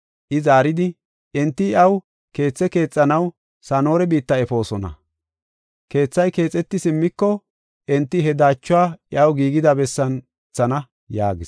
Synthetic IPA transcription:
ʔɪzaːɾɪd̪ɪ | ɛnt̪ːɪɪɐw | ke̞ːt͡sːɛke̞ːt͡sʼːɐnɐw | sano̞ːɾɛbiːt̪ːɐɛfo̞ːsɔnɐ̰ | ke̞ːt͡sːɐjke̞ːt͡sʼɛt̪ːɪsɪmːɪkːɔ | ʔɛnt̪ːɪɦɛd̪aːt͡ʃːʊwaːɪʔɐwɡiːɡɪd̪ɐbɛsːɐn | t͡sːɐnɐ | ja̰ːɡɪs

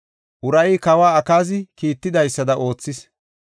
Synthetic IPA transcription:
ʔʊɾɐjɪkɐwaːɐkaːzɪkiːt̪ːɪd̪ɐjsːɐd̪ɐʔo̞ːt͡sːɪs

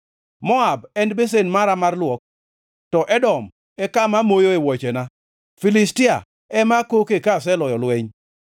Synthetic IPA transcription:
mɔabɛnbes̬enmaɾamarlwɔk̚ | tɔʔɛdɔm | ɛkamamojoewɔt͡ʃena | filistɪa | ɛmakokekas̬ɛlɔjɔlweɲ

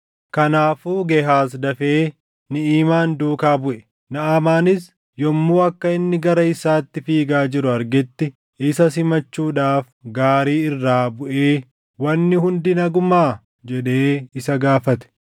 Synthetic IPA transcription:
kɐnaːfuːɡɛɦaːs̬d̪ɐfeː | nɪiːmaːnd̪uːkaːbʊʔɛ | nɐaːmaːnɪs | jɔmːuːɐkːɐɪnːɪɡɐɾɐɪsaːt̪ːɪfiːɡaːd͡ʒɪɾʊɐɾɡɛt̪ːɪ | ɪsɐsɪmɐt͡ʃːuːᶑaːf | ɡaːɾiːɪrːaːbʊʔeː | wɐnːɪɦʊnd̪ɪnɐɡʊmaː | d͡ʒɛᶑe̞ːɪsɐɡaːfɐt̪ɛ̥

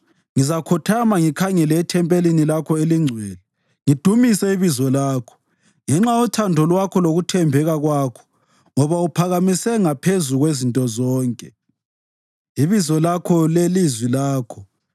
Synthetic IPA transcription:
ŋizakʰɔtʰamaŋikʰaŋɛlɛːtʰɛmpʼelinilakʰɔeliŋ͡ǀʱwɛːlɛ | ŋid̥ʱumisɛiβizɔlaːkʰɔ̥ | ŋɛŋ͡ǁaɔtʰandʱɔlwakʰɔloɣutʰɛmbʱɛɣaɣwaːkʰɔ̥ | ŋɔβaupʰaɣamisɛŋapʰezuɣwezintʼɔzɔːŋkʼɛ | iβizɔlakʰɔlelizwilaːkʰɔ

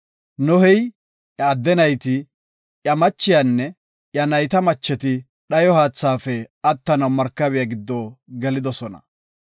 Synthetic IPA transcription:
nɔhɛj | ʔjɐːd̪ːɛnɐjt̪ɪ | jɐmɐt͡ʃːɪjanːɛ | ʔjɐnɐjt̪ɐmɐt͡ʃːɛt̪ɪ | ɗɐjɔhaːt͡sːaːfɛɐt̪ːɐnɐwmɐɾkːɐβɪjɐɡɪd̪ːoːɡɛlɪd̪ɔsɔnɐ̰

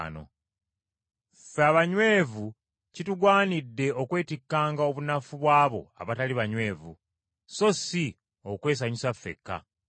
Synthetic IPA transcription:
no̞̰ | feaβaɲwe̞ːvu | cituɡwaːnidːe̞o̞kwe̞ːtikːaːŋɡao̞βunafuβwaːβo̞̰a̰βataliβaɲwe̞ːvṵ | so̞si | okwe̞ːs̬aɲisafːe̞̰kːa̰

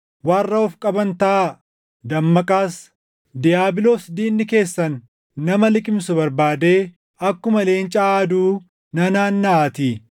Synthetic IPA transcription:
waːrːɐɔfkʼɐbɐnt̪ɐʔa | d̪ɐmːɐkʼaːs | d̪ɪjaːbɪloːsd̪iːnːɪke̞ːsːɐnː | ɐmɐlɪkʼɪmsʊbɐɾbaːd̪e̞ː | ɐkːʊmɐle̞ːnt͡ʃʼaaːd̪uː | nɐnaːnːɐaːt̪iː

